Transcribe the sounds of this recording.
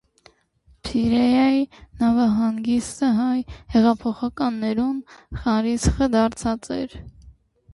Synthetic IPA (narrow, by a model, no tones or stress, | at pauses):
pʰiɾɛjɑjinɑvɑɦɑŋɡist̪əɦɑjhɛʁɑpʰɔχɑkɑnːɛɾunχɑɾit͡sχəd̪ɑɾt͡sʰɑt͡sɛ̰ɾ